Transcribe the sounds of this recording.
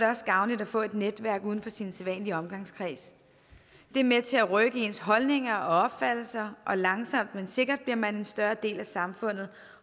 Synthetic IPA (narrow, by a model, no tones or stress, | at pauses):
ɾe̝ɒ̽sɡ̥ɑ̈ʊnlid̥æfɔ̰̽ːe̝d̥ned̥ʋæɐɡ̥uð̞ˠn̩fɒ̽sinselʋɛ̰ːnliɒ̽mɡ̥ɑ̈ŋskʰʁḭːs | d̥e̝ɐmet͡sʰe̝æʁœɡ̥əe̝nəsɦɒ̽lne̝ŋɐɒ̽ɒ̽b̥fæd̥l̩sɐʔɒ̽lɑ̈ŋsɒ̽m̰d̥mense̝ɡ̥ɐd̥̚b̥liɐmæne̝nsd̥ɶɐd̥e̝̰ːlæsɑ̈mfɔ̽n̰ð̞̩ˠ